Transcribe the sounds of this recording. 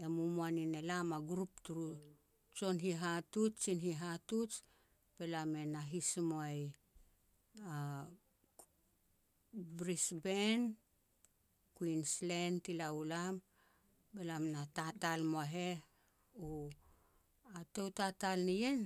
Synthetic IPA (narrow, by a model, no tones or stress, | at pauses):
emumuanine̞lamaɡɾup̚tuɾu | t͡ʃo̞nɦiɦatut͡ʃt͡ʃinɦiɦatut͡ʃ | b̥e̞lame̞naɦismoaj | a | bɾisben | kuinslentilaulam | be̞lamnatatalmoaɦe̞ | u | ate̞wtatalnijen